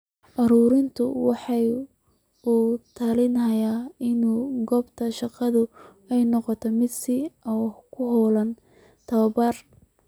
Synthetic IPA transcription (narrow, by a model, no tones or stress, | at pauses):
ʔɐɾuːɾɪnt̪ʰʊwɑħɑj | uːt̪ʰɐlɪnɦɐjaːɪnuːɡɔːbt̪ʰɐʃɑqɑðʊ | ɛjnɔqɔt̪ʰɔmɪd̪sɪɔkʰʊɦɔːlɐn | t̪ʰɐwɐbɐr